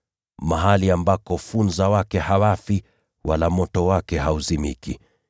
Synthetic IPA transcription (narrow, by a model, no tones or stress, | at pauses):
maɦaliambakɔfunzawakɛhawafi | walamɔtɔwakɛɦauzimḭki